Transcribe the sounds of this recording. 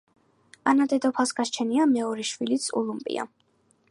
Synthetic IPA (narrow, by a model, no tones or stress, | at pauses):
anad̪ɛd̪ɔpʰasɡaʃt͡ʃʰɛniamɛɔɾɛʃwilit̪sʰṵlˠumpʼḭa̰